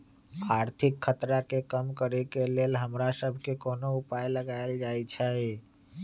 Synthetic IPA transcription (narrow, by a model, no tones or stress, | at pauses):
aɾt̪ʰikʰːət̪ɾakekəmkəɾekelelɦəmɾasəbʱkekonoupajləɡaeld͡ʒajt͡ʃʰə